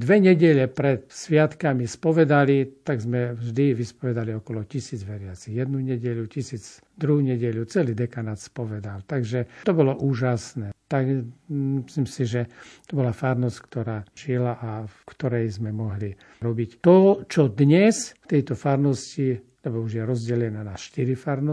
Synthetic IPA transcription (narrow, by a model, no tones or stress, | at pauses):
d̪ʋɛɲɛɟɛʎɛpɾɛt̪sʋɪat̪kamispɔʋɛd̪alit̪aɡzmɛvʒd̪iʋispɔʋɛd̪aliɔkɔlɔcisiːd͡zʋɛɾɪat͡siɣjɛd̪nuɲɛɟɛʎucisiːd͡z | d̪ɾuɦuɲɛɟɛʎut͡sɛliːd̪ɛkanat̪spɔʋɛd̪alt̪aɡʒɛt̪ɔbɔlɔʔuːʒasnɛt̪aɡmislimsiʒɛt̪ɔbɔlafaɾnɔsckt̪ɔɾaːʒilaʔafkt̪ɔɾɛjzmɛmɔɦli | ɾɔbict̪ɔt͡ʃɔd̪ɲɛsft̪ɛjt̪ɔfaɾnɔsci | lɛbɔuʒjɛɾɔzɟɛlɛnanaːsʃt̪iɾifaɾnɔ